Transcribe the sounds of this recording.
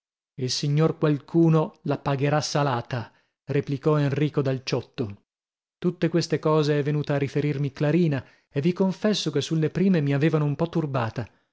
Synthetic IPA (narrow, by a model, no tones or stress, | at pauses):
ilsiɲːorkwalkʰuːnolapaɡeɾasːalaːt̪a | replikɔenriːkod̪alt͡ʃɔt̪ːo | t̪ut̪ːekwest̪ekɔːzeɛvːenuːt̪earːifeɾirmiklaɾiːna | evːikoɱfɛsːokesːulːepɾiːmemiaveːvanoumpɔt̪ːurbaːt̪a